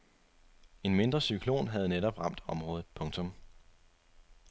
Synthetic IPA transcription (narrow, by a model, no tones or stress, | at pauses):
e̝nme̝nd̥ʁɐsykʰlo̝̰ːnɦæð̞̩ˠneɾɒ̽b̥ʁɑ̈m̰d̥ɒ̽mʁɔ̽ːðð̩ˠpʰɔ̽ŋt͡sʰɔ̽m